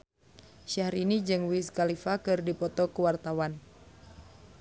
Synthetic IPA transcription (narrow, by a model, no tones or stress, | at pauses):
ʃahɾinid͡ʒɨŋwiskalifakɨrdipɔt̪ɔkəwart̪awan